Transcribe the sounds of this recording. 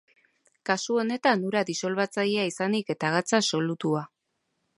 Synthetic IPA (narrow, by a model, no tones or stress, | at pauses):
kasuo̞ne̞t̪anuɾad̪iso̞lβat͡sajeaisanike̞t̪aɣat͡saso̞lut̪ua